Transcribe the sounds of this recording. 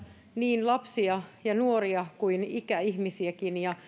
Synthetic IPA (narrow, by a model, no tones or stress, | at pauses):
niːnlɑpsiɑjɑnuoriɑkuinikæihmisiækinjɑ